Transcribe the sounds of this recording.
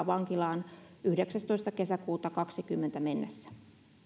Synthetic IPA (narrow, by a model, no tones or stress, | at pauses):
ʋɑŋkilɑːnyhdeksæst̪oist̪ɑke̞sækuːt̪ɑkɑksikymːent̪æme̞nːesːæ̥